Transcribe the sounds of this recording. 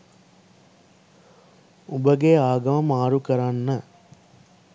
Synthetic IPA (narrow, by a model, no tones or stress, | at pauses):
ʊbɐɡeːaːɡɐmɐmaːɾukːɐɾaːnnɐ